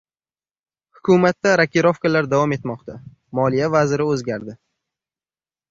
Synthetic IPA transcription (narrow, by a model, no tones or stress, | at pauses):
hʊkʰumat̪ːaɾakʲʰiɾofkalaɾd̪avɒme̞t̪mɒqt̪ʰa | mɒlijavazɪɾɪɵzɡʲaɾd̪ɪ